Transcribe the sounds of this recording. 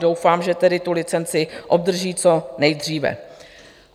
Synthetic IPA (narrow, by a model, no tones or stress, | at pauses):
do̞wfaːmʒɛt̪ɛdɪt̪ulɪt͡sɛnt͡sɪʔo̞b̚d̪r̩ʒiːt͡so̞nɛjd̪r̝iːvɛ̰